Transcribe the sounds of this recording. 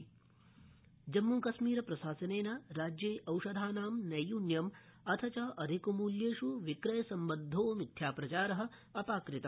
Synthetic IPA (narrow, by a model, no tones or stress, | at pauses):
d͡ʒɐmːuːkɐʃmiːɾɐpɾɐsaːsɐneːnaːɾaːd͡ʒjeːʔɐwʂɐd̪ʱaːnaːmnɐjuːnjɐmɐt̪ʰɐt͡ʃɐʔɐd̪ʱikumuːljeːʃuʋikɾɐjɐsɐmbɐd̪ʱːoːmit̪ʰjaːpɾɐt͡ʃaːɾɐɦɐ̆ | ɐpaːkɾɪt̪ɐ